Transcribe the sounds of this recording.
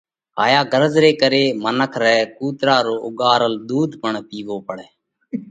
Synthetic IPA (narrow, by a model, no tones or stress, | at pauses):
ɦa̰ːjaːɡʱəɾzɾeːkəɾeːmənəkʰɾɛːkuːt̪ɾaːɾoːʔʊɡaːɾəld̪uːd̪ʱpəɳpiːʋoːpəɽɛː